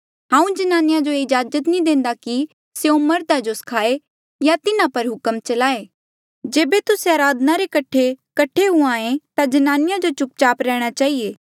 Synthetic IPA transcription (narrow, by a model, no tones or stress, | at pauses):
ɦãːũd͡ʒɐnaːnɪjad͡ʒoeɪd͡ʒaːd͡ʒət̪nĩd̪ẽːnd̪aki | seõmɐɾd̪ad͡ʒoskʰaːe | jat̪ɪnãpɐɾɦʊkəmt͡ʃɐlaːeː | d͡ʒeːbet̪ʊseaːɾaːd̪ənaɾekɐʈʰekɐʈʰːeɦuãːẽt̪ad͡ʒɐnaːnɪjad͡ʒot͡ʃʊk̚t͡ʃaːpɾɛːɽ̃at͡ʃaːieː